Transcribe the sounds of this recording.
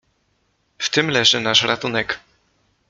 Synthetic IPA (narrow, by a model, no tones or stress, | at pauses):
ft̪ɘmlɛʐɘnaʂɾat̪unɛk